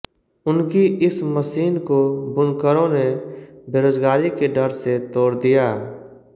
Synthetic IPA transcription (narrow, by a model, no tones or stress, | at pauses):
ʊnkiʔɪsməsiːnkobʊnkəɾõnebeːɾoːzɡaːɾikeɖəɾset̪ɔːɾd̪ijaː